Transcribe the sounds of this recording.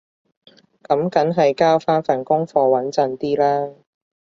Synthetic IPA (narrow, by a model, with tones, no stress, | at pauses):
kɐ˨˥mkɐ˨˥nɦɐ˨jkaː˥wfaː˥nfaː˨˩nkʊ˥ŋfɔː˧wɐ˨˥nt͡sɐ˨˧nt̪iː˥laː˥